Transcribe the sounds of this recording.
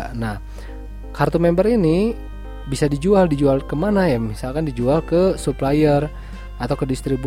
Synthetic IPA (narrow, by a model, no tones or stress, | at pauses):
nah | kart̪umɛmbəɾini | bisadid͡ʒualdid͡ʒualkəmanajamisalkandid͡ʒualkəsuplajər | at̪auwkədist̪ɾibu